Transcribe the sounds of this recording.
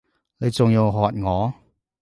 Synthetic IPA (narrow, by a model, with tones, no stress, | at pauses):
ne˨˧jt͡sʊ˨˧ŋjɐ˨˧wɦɔː˨t̚ŋɔː˨˧